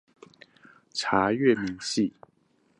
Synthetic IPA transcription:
ʈ͡ʂʰa˨˧˥ɥɛ˥˨mi˧˥˦ŋɕi˥˨

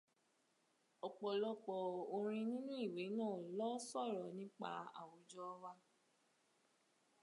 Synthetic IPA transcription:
ɔ˨k͡pɔ˨lɔ˧k͡pɔ˨o˧ɾ̃ĩ˧nĩ˦nũ˦i˦˨we˨˦nãː˦˨lɔ˦sɔ˦˨ɾɔ˨nĩ˦k͡pa̰˧˦a̰˨wo˨˦d͡ʒɔ˦wa˧

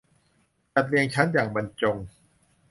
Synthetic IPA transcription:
t͡ɕa˨˩t̪̚li˧əŋt͡ɕʰa˦˥njaː˨˩ŋba˧nt͡ɕo˧ŋ

